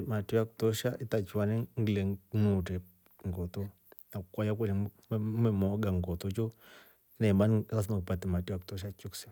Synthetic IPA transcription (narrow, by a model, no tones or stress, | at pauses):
matɔjaku̥tɔʃaʔitat͡ʃwanɛŋɡilɛnutɛ | ŋɡɔtɔ | nakukwajak̬ɛlɛ | mɛmɔɡaŋɡɔtɔt͡ʃɔ | inaimbanikas̬ɛmakupatɛmatujaku̥tɔʃ̬at͡ʃiku̥sɛ